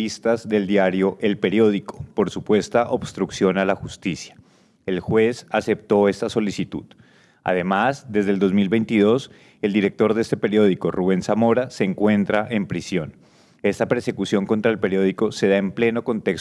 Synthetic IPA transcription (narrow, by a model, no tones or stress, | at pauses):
ist̪azd̪e̞ld̪jaɾjo̞ʔe̞lpe̞ɾjo̞ð̞iko̞̥po̞ɾsupwe̞st̪aʔo̞bst̪ɾuksjo̞nalaxust̪isjḁ | e̞lxwe̞sase̞p̚t̪o̞e̞st̪aso̞lisit̪ṵð | a̰ðe̞mazd̪ezðeld̪o̞zmilbe̞jnt̪iðo̞s | e̞ld̪iɾe̞k̚t̪o̞ɾd̪eest̪epe̞ɾjo̞ðiko̞ruβe̞nsamo̞ɾase̞ːŋkwe̞nt̪ɾaʔe̞mpɾisjo̞n | e̞st̪ape̞ɾse̞kusjo̞ŋko̞nt̪ɾaelpe̞ɾjo̞ðiko̞se̞ðaemple̞no̞ko̞nt̪e̞ks